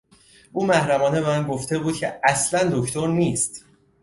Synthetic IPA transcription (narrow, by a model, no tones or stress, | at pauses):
ʔuːmæhɾæmɒːne̞bemænɡo̞ft̪ʰe̞buːd̪̥̚cʰe̞æslænd̪o̞cʰt̪ʰoɾniːst̪